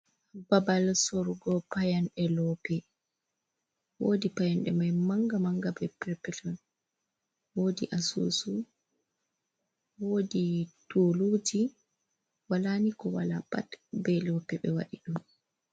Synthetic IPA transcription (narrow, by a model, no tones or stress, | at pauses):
babalsoɾɡɔpajanɗɛlɔpɛ | wo̰ːdipajanɗɛmajmaŋɡamaŋɡabɛpɛɾpɛtɔn | wodḭʔasṵsu | woːditolud͡ʒi | walanikɔwala̰pa̰tbɛlɔpɛbɛwa̰ɗiɗum